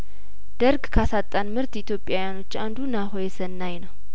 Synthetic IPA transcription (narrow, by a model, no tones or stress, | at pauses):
d̪̥əɾɡkʰasat̪ʼːanmɨɾt̪ɪt̪ʰjo̞pʼjawjano̞t͡ʃːand̪unaɦojɛsənːajnəw